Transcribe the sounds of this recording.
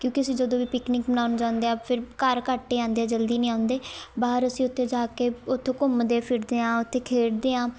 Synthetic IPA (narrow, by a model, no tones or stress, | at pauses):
kjõːkɪəsĩːd͡ʒəd̪õːʋiːpɪknɪːkbənaːnd͡ʒãːʊ̃nd̪eːãːpʰɪɾkəɾkaːʈːeːãːnd̪eːãːd͡ʒəld̪iːnĩːãːʊnd̪eːbaːɦəɾəsĩːʊt̪ʰːeːd͡ʒaːkeːʊt̪ʰːeːkʊmd̪eːpʰɪɾd̪eːãːʊt̪ʰːeːkʰeːɾd̪eːãː